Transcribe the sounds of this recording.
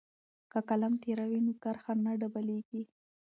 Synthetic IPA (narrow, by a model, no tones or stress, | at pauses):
kakalamt̪eɾawinʊkaɾxanaɖabaleɡi